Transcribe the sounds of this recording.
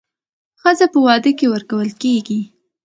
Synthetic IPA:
xəzapəwɑd̪əkewəɾkawəlkeɡi

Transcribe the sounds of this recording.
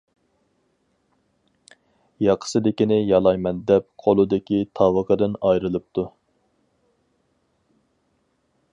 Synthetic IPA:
jɑqʰə̥sɨd̪ɪkʲinɪjɑlˠɑjmɛnd̪ɛp̚qʰolˠɨd̪ɪkʲit̪ʰɑwəqʰəd̪ɪnɑjɾɨlˠɨp̚t̪ʰu

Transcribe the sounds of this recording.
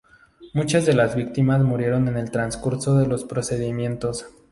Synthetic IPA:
mut͡ʃazðe̞lazβik̚t̪imazmuɾje̞ɾo̞ne̞ne̞lt̪ɾanskuɾso̞ðe̞lo̞spɾo̞se̞ðimje̞nt̪o̞s

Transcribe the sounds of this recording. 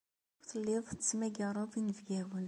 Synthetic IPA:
θəlːeðˤt͡sːmæɡəɾˤɑðˤinəvɡæwən

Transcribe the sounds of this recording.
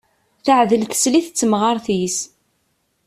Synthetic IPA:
θəʕðəlθə̥sliθət͡sːəmʁəɾˤθis

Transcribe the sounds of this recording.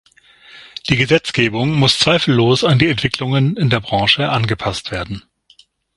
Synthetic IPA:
d̥iːɡəzɛt͡sɡ̥eːbʊŋmʊst͡sv̥aɪfl̩ːoːsandiːɛntv̥ɪklʊŋənɪndeːɐbʁɑ̃ːʃəʔanɡəpʰastv̥eːɐdn̩

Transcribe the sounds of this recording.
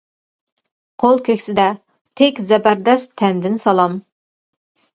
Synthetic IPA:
qʰolˠkʲʰøkʲsɪd̪ɛ | t̪ʰɛkʲzɛbæɾd̪ɛst̪ʰɛnd̪ɪnsɑlˠɑm

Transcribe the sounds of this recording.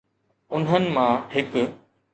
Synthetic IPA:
ʊnɦənɪ̆mãhɪk

